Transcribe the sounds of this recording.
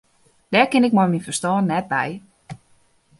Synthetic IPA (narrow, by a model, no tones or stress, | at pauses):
d̥ɛːɹkɪnɪk̚mɔjminfərstɔːnnːɛt̚bɛ̰j